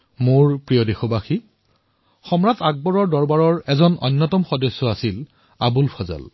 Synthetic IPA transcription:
moɹpɹijɔdexobaxi | xɔmɹataɡ̚bɔɹɔɹdɔɹbaɹɔɹɛzɔnɔ̰nːɔtɔmxɔdɔsːɔasil | abulpʰɔza̰l

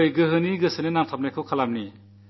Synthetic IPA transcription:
jɡɯɦɯniɡɯsɯnenaŋtʰap̚najkʰɯwkʰalam̚ni

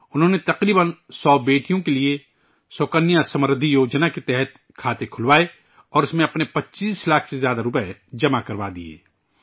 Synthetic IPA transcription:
ʊnɦõːnet̪ɐqɾiːbənsɔːbeːʈijõkelie | soːkənjasɐmɾəd̪ʱijoːd͡ʒnaket̪ɛɦɛt̪ | kʰaːt̪ekʰʊlwaːe | ɔːɾʊsmẽɐpnepɐtːt͡ʃiːslaːkʰsezjaːd̪aɾʊpɛd͡ʒɐmakɐɾʋad̪ḭḛː

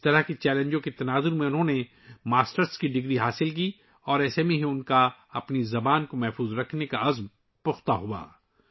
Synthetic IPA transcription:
t̪ɐɾaɦkit͡ʃɛːlə̃nd͡ʒõket̪ɐnaːzʊɾmẽʊnɦõne | maːsʈəɾskiɖɪɡɾiɦaːsɪlk̬iː | ɔːɾɛːsemẽɦĩʊnkaɐpnizɐbaːnkomɛɦfuːzɾɐkʰnekaɐzm | pʊxt̪aɦua̰ː

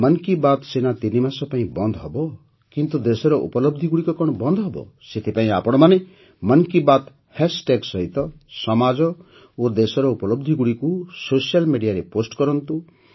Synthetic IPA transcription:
mʌnkibat̪senat̪inimasɔpaĩbɔnd̪ʱɔɦɔbɔ | kint̪ud̪esɔɾɔʔṵpɔlɔb̚d̪ʱiɡuɽikɔkɔɽ̃ɔbɔnd̪ʱɔɦɔbɔ̰ | set̪ʰipaĩapɔɽ̃ɔmane | mʌnkibat̪ | hesʈeɡsɔɦit̪ɔ | sɔmad͡ʒɔ | od̪esɔɾɔupɔlɔbd̪ʱiɡuɽikusosijalmeɽijaɾeposʈkɔɾɔnt̪u

